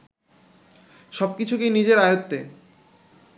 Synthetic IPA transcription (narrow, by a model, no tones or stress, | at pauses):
ʃɔb̚kit͡ɕʰukinid͡ʑeɾajot̪ːe